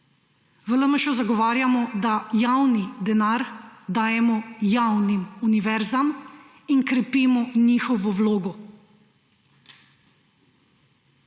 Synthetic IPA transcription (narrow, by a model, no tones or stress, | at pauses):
ʋələməʃɔzaɡɔʋaːɾjamɔd̪ajawnid̪ɛnaɾd̪aːjɛmɔjawnimuniʋɛɾzam | inkɾɛpiːmɔniːxɔʋɔwloːɡɔ